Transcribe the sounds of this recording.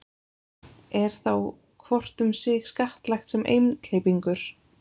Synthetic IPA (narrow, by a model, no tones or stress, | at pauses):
ɛɾ̥θaw | kʰvɔr̥t̪ʏmsɪxskaht̪lajxt̪sɛmʔḛjmt̪lejpiŋkʏɾ̥